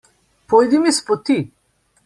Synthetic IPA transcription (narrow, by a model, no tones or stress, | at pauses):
pojd̪imispot̪i